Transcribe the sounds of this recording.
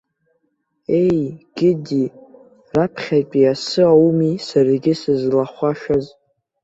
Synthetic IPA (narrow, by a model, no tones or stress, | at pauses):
e̞jɡ̥ʲɪdi | rapʰχʲapʼiasɨawmisarɡʲɪsɨzlaχʷaʃaz